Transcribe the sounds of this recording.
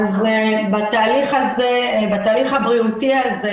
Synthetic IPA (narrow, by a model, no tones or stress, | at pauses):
zebat̪aːliχazebat̪aːliχabʁiut̪iaze